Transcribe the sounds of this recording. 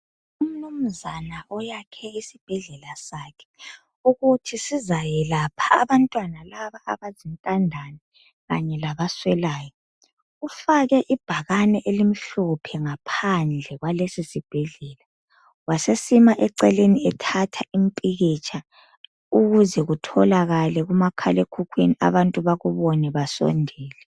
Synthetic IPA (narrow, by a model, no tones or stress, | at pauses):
um̩num̩zanaʔɔjakʰɛisib̥ʱɛɮɛlasakʰɛ̥ | uɣutʰisizajɛlapʰaːβantʼwanalaβaʔaβazintʼandʱani | ɣaɲɛlaβaswɛlaːjɔ | ufaɣɛʔib̥ʱaɣanɛʔelim̩ɬɔpʰɛŋapʰand͡ɮʱɛɣwalesisib̥ʱɛɮɛːla | wasesimaʔɛǀɛleniɛtʰatʰaʔimpʼiɣit͡ʃʼʰa | uɣuzɛɣutʰɔlaɣalɛɣumakʰalekʰukʰwenia̰βantʼuβaɣuβɔnɛβasɔ̰ndʱɛːlɛ